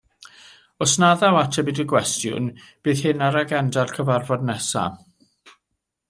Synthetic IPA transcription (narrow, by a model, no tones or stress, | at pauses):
ɔsnaðawatʰɛbidəɡwɛstjʊ̰n | b̥ɨːð̥hɨnaɾaɡɛndalkʰəvarvɔdnɛsa̰